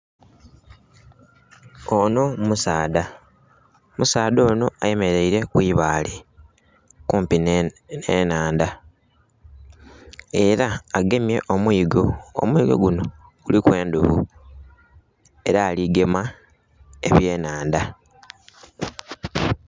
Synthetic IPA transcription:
ono̞musaːda | musaːdo̞ːno̞aje̞me̞ɾe̞iɾe̞kwiːβale | kuːmpinnenaːnda | e̞ɾaaɡe̞mje̞ʔomwiːɡo̰ːmwiːɡo̞̰ɡuno̞ | ɡ̥ulikwe̞ːnduβṵ | e̞ɾaːliɡe̞ma | e̞̰βje̞ːnaːnda

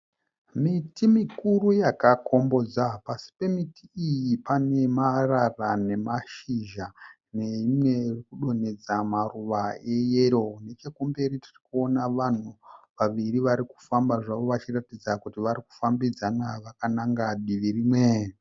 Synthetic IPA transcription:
mitimikurujakako̞mbo̞d͡zapasi̥pe̞mitiijipane̞mararane̞maʃiʒa | ne̞imwerikuɗo̞ne̞d͡zamaruʋae̞jeɾo̞ne̞t͡ʃe̞kumbeɾitirikuo̞naʋan̤uʋaʋiriʋaɾiku̥fambaʐaʋo̞ʋat͡ʃiratid͡zakutiʋaɾiku̥fambid͡zanaʋakanaŋɡaɗiʋiriːmwe

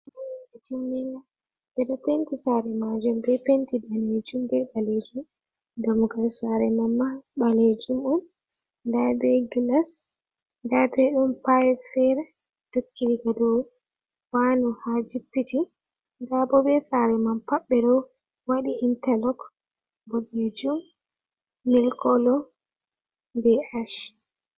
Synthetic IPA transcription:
bɔwɛtimːina | ɓɛɗɔpentisaɾɛmad͡ʒumbɛpentidaned͡ʒumbɛbaled͡ʒi | ɡamuɡalsaɾɛmamːaɓaled͡ʒumɔn | ndabɛɡilas | ndabɛɗumpajfɛɾɛ | d̥okːiɾiɡadɔ | wanɔhad͡ʒipːiti | ndabɔbɛsaɾɛmampaɓːɛɗɔ | waɗiintɛlɔk | boɡid͡ʒumː | ɛlkɔlɔ | bɛaʃ

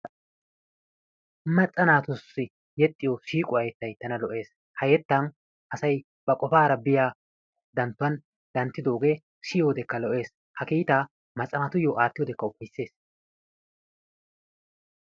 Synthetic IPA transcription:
mɐt͡sʼːɐnaːt̪ʊsːɪ | jɛt̪ʼːɪjɔʃiːkʼʊɐjɛt̪ːɐjt̪ːɐnɐlɔʔe̞ːs | hɐjɛt̪ːɐn | ʔɐsɐj | b̥ɐkʼɔfaːɾɐbɪjaː | d̪ɐnt̪ːʊɐn | d̪ɐnt̪ːɪd̪o̞ːɡe̞ | ʃɪjoːd̪ɛkːɐlɔʔe̞ːs | hɐkiːt̪aː | mɐt͡sʼːɐnat̪ʊjːoːʔaːt̪ːɪjoːd̪ɛkːɐʊpːɐjsːe̞ːs

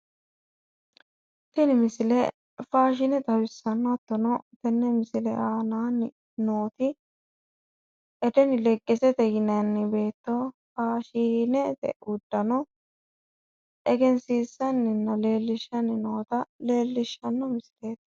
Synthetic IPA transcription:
t̪ɛnɪmɪsɪlɛ | faːʃ̬ɪnɛt̪ɐwɪsːɐnːɔt̪ːɔnɔt̪ɛnːɛmɪsɪlɛʔaːnaːnɪ | no̞ːt̪ɪ | ʔɛt̪ɛnɪlɛɡʼːɛsɛt̪ɛjɪnɐnːɪbe̞ːt̪ːofaːʃinɛt̪ɛ̰ʔʊd̪ːɐnɔ | ʔɛɡɛnsiːsːɐnːɪnːɐle̞ːlːɪʃːɐnɪno̞ːt̪ɐle̞ːlːɪʃːɐnːɔmɪsɪle̞ːt̪

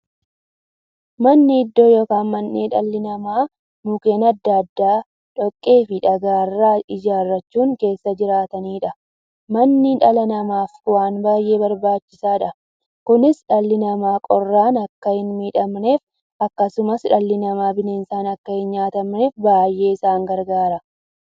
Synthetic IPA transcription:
mɐnːɪːd̪ːoːjoːkaːnmɐnːeːᶑɐlːɪnɐmaː | nʊkeːnɐd̪ːɐd̪ːaː | ᶑɔkʼːe̞ːfɪᶑɐɡaːrːaːɪd͡ʒaːrːɐt͡ʃːuːŋke̞ːsːɐd͡ʒɪɾaːt̪ɐniːᶑɐ | mɐnːɪᶑɐlɐnɐmaːfkʊwaːnbaːjʔe̞ːbɐɾbaːt͡ʃːɪsaːᶑɐ | kʊnɪsᶑɐlːɪnɐmaːkʼɔrːaːnɐkːɐhɪnmiːᶑɐmne̞ːf | ɐkːɐsʊmɐsᶑɐlːɪnɐmaːbɪne̞ːnsaːnɐkːɐhɪnɲaːt̪ɐmne̞ːfbaːjʔe̞ːɪsaːŋɡɐɾɡaːɾɐ

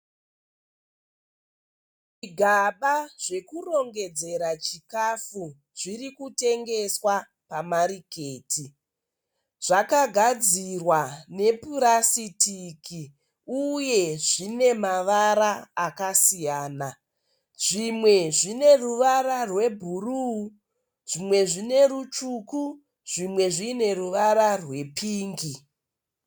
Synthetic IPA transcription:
ʐiɡʱaɓaʐ̥e̞kuro̞ŋɡe̞d͡ze̞ɾat͡ʃikafu | ʐ̥irikute̞ŋɡe̞swa | pamaɾike̞ːtʰi | ʐ̥akaɡʱad͡zirwane̞puɾasitʰiki | uje̞ʐine̞maʋaɾaːkasijaːna | ʐ̥imwe̞ʐine̞ruʋaɾarwe̞bʱuru | ʐ̥imwe̞ʐine̞ɾut͡ʃuku | ʐ̥imwe̞ʐiːne̞ruʋaɾarwe̞pʰiːŋɡi

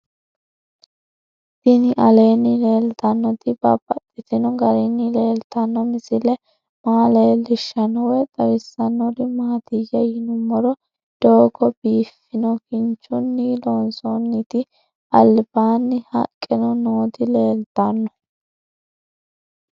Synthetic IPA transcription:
t̪ɪnɪʔɐleːnːɪle̞ːlt̪ɐnːɔt̪ɪbɐ̰bʼɐt̪ʼːɪt̪ɪnɔɡɐɾɪnːɪle̞ːlt̪ɐnːɔmɪsɪlɛ | maːleːlɪʃːɐnɔwɛt̪ʼɐwɪsːɐnːɔɾɪmaːt̪ɪjːɐjɪnʊmːɔɾɔ | d̪̥oːɡɔbiːfːɪnɔkɪnt͡ʃːʊnːɪloːnsonːɪt̪ɪ | ɐlbaːnːɪhɐ̰kʼːɪnɔnoːt̪ɪle̞ːlt̪ɐnːɔ

